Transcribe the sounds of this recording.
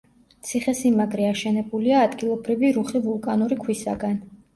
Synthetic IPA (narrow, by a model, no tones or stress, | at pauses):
t̪sʰiχɛsimaɡɾɛaʃɛnɛbuliaːd̪ɡilˠɔbɾiviɾuχivulˠkʼanuɾikʰwisa̰ɡan